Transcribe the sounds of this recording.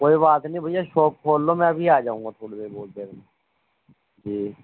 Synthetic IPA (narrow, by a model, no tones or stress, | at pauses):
koːibaːt̪nĩbʱəijaʃoːp̚kʰoːlːomɛ̃ːɐbʱiaːd͡ʒaːũŋɡaːt̪ʰoːɽebeːboːld̪eːɾme | d͡ʒiː